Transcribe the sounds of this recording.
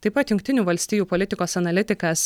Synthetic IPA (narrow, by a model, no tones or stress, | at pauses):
t̪ɐɪpɐt̪jʊŋʲk̚ʲt̪ʲɪnʲuːʋɐlʲsʲt̪ʲiːjuːpɔlʲɪt̪ʲɪkoːsɐnɐlʲɪt̪ʲɪkɐs